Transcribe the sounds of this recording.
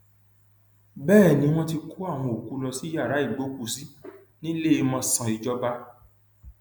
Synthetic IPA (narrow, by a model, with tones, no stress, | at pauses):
bɛː˦˨nĩ˨˦w̃ɔ̃˦ti˧ku˦a˦˨w̃ɔ̃˧˨o˨ku˨˦lɔ˧si˨˦ja˦˨ɾa˨˦i˦˨ɡ͡bo˨˦ku˦˧˨si˦ | nĩ˦le˦e˧mɔ̃˧sã˨i˨d͡ʒɔ˦ba˦